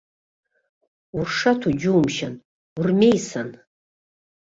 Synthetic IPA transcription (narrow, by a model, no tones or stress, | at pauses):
urʂatʰud͡ʒuumʃan | urmejsan